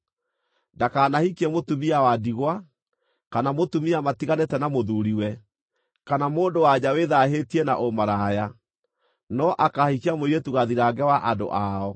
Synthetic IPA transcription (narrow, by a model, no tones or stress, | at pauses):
ndakaːnahikɛmotumiawadiɣwa | kanamotumiamatiɣanetɛnamoðuɾiwɛ | kanamoːndowaɲaweðaɦetiɛna̰ʔomaɾaja | nɔʔakahikiamoiɾetuɣaðiɾaɡɛwaʔando̰ʔaɔ